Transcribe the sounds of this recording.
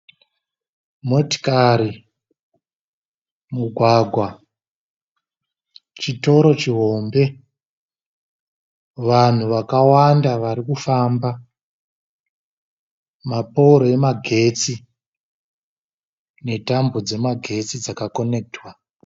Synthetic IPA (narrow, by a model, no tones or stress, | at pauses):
mo̞ti̥kaɾi | muɡʱwaɡʱwa | t͡ʃito̞ɾo̞t͡ʃiɦo̞mbe̞ | ʋan̤uʋakawandaʋaɾikufaːmba | mapouɾoe̞maɡʱe̞t͡si | ne̞tambod͡ze̞maɡʱe̞t͡sid͡zakako̞ne̞k̚twa